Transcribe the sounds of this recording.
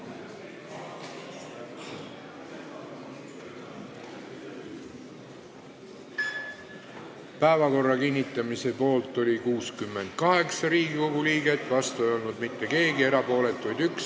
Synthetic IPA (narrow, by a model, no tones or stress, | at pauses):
pæevɑko̞rːɑkinʲːit̪ˑːɑmise̞po̞ːlt̪ˑːo̞lʲikuːskymːe̞nd̪̥̚kɑɦe̞ksɑɾiːɡiko̞ɡ̥uliːɡet̪ːˑvɑst̪ue̞jo̞lnud̪mit̪ːe̞ke̞ːɡie̞ɾɑpo̞ːle̞t̪ːˑvujd̪yks